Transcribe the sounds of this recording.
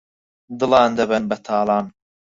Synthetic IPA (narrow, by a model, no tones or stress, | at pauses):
d̪ɨlɑːnd̪ɐβɐnbɐt̪ʰaːlɑːn